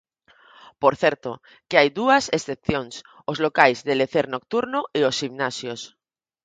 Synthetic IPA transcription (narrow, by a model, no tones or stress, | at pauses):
poɾθeɾt̪o | keajðuasesθepθjoŋs | ozlokajzðeleθeɾnok̚t̪uɾnoʔeosximnasjos